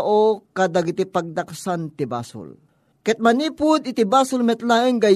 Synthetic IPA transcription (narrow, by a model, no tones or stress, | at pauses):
ʔokad̪aɡɪt̪ipaɡ̚d̪aksant̪ɪba̰ːsʊ̰l | kɛt̪̚maniːpʊd̪ɪt̪ɪbaːsʊlmɛt̪laʔɪŋɡa